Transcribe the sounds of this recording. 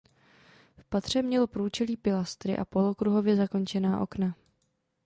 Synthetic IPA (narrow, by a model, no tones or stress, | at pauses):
fpat̪r̝̥ɛmɲɛlo̞pɾuːt͡ʃɛliːpɪlast̪ɾɪ̰ʔa̰po̞lo̞kɾuɦo̞vjɛzakont͡ʃɛnaːʔo̞̰kna